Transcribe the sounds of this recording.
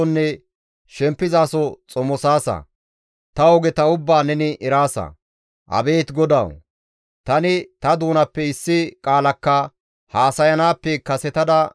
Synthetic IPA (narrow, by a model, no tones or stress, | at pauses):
ɔnːɛ | ʃɛmpːɪzaːsɔt͡sʼɔmɔsaːsɐ̰ | t̪ɐɔɡɛt̪ɐʊbːaːnɛnɪʔɛɾaːsɐ̰ | ʔɐ̰be̞ːt̪ɡɔd̪ɐ̰w | t̪ɐnɪt̪ɐd̪uːnɐpːɛɪsːɪkʼaːlɐkːɐ | haːsɐjɐnaːpːɛkɐsɛt̪ɐd̪ɐ